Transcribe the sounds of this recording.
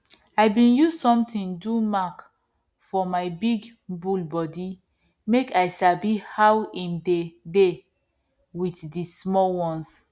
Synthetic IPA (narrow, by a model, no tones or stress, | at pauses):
ajbĩnjuzsɔ̃mtĩndumak | fɔmaɪbiɡ | bulbɔdi | mekajsabihawĩmdede | witdismɔlwɔ̃ns